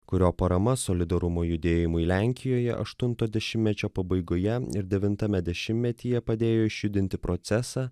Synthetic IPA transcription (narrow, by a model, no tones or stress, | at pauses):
kʊɾʲoːpɐɾɐmɐsoːlʲɪd̪ɐɾʊmoːjʊd̪ʲeːjɪmʊɪlʲæŋʲkʲɪjoːjɛ̰ʔɐ̰ʃt̪ʊnt̪oːd̪ʲɛʃʲɪmʲmʲɛt͡ʃʲoːpɐbɐɪɡoːjɛɪɾd̪ʲɛʋʲɪnt̪ɐmʲɛd̪ʲɛʃʲɪmʲmʲɛt̪ʲiːjɛpɐd̪ʲeːjoːɪʃʲjʊd̪ʲɪnʲt̪ʲɪpɾot̪sʲɛsɑː